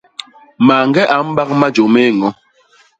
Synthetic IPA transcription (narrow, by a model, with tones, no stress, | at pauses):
ma˨ŋɡɛ˦ʔa˨m̩˦ɓa˦k̚ma˦d͡ʒo˨me˦˨ŋɔ˨˦